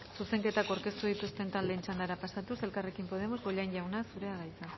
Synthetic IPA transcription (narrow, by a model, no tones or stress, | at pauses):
suse̞ŋke̞t̪ako̞ɾke̞st̪uð̞it̪ust̪e̞nt̪anle̞ːnt͡ʃand̪aɾapasat̪use̞lkare̞kimpo̞ð̞e̞mo̞zβoʎajɲʎawnasuɾe̞aɣajt͡sa